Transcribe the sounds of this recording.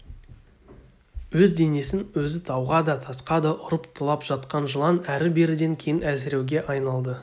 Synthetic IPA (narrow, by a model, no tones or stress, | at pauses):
wɵzd̪e̞ne̞sɪnwɵzɪt̪ʰɑwʁɑd̪ɑt̪ʰɑsqɑd̪ɑʔʊɾəpt̪ʰəlˠɑpʒ̥ɑt̪qɑnʒəlˠɑnæɾɪbe̞ɾɪd̪e̞ŋkʲʰe̞jɪnæsɪɾe̞wɡʲe̞ʔɑjnɑlˠd̪ə